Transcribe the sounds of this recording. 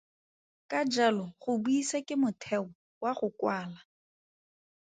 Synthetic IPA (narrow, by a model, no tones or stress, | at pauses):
kʼad͡ʒalɔχʊbuisakʼɪmʊtʰɛɔwaχʊkwaːla